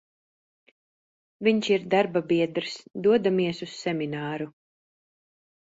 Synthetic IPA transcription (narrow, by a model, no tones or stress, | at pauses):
viɲʃiɾd̪aɾbabiɛd̪ɾsd̪uɔd̪amiɛsusːɛminaːɾu